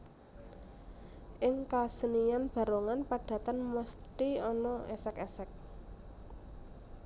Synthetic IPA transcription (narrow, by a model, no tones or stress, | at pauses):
ʔɪŋkasənijanb̥a̤ɾoŋanpaɖ̥ä̤t̪anməst̪iɔnɔʔɛsɛkɛsɛk̚